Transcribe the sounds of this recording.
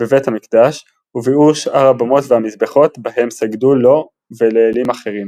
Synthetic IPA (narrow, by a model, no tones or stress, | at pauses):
b̥evethamikd̪aʃ | uviuʃʔaʁabamo̞tveamizbeχo̞tbahe̞msaɡdulo̞ | veleːlimaχe̞ʁim